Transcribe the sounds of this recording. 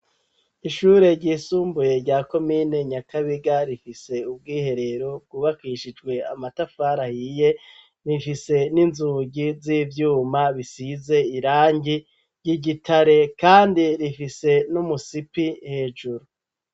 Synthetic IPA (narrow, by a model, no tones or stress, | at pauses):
iʃuːɾe̞ɟiːsuːmbuje̞ɾɟaːko̞miːne̞ɲakʰaβiɡaɾifise̞ubɡiːhe̞ɾe̞ɾo̞b̚ɡuβakiʃid͡ʒɡwe̞a̰matafaːɾahije̞ | nifise̞ninzuːɟizivjuːmaβisize̞iɾaːɲɟi | ɟ̥iɟitʰaɾe̞kaːndiɾifise̞numusipihe̞ːʒuɾu